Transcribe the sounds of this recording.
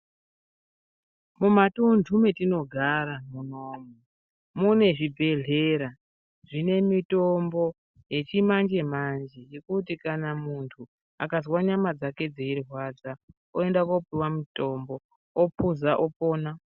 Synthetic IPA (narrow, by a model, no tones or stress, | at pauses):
mumatundʰʱume̞tino̞ɡʱaɾamuno̞ːmu | mune̞ʐibʱe̞ɮe̞ɾa | ʐ̥ine̞mitombo̞ | je̞t͡ʃimand͡ʒe̞mand͡ʒe̞je̞kut̬ikanamuntʰu | a̰kazwaɲamad͡zake̞d͡zeirwad͡za | oe̞ndakopiwamito̞mbo̞ | opuzaʔopoːna